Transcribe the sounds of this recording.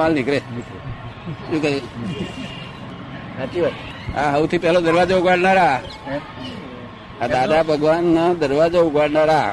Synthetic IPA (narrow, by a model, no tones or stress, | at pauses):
alnikɾenk | ʃũke | t͡ʃia | aɦəʋũt̪ʰipɛɦlod̪əɾʋad͡ʒouɡaɽnaɾa | ad̪ad̪abʱəɡʋanːad̪əɾʋad͡ʒouɡʋaɽnaɾa